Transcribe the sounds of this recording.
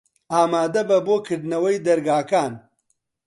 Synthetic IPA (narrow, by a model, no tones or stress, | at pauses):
aːmaːd̪ɐbɐbokɪɖnɐwɐjd̪ɐɾɡaːkaːn